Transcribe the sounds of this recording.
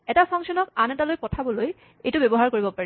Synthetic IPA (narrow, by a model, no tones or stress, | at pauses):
ɛtapʰɔŋsɔnɔkanɛtalojpɔtʰabɔloj | ejtʊbɛbɔɦaɹkoɹibɔpaɹɛ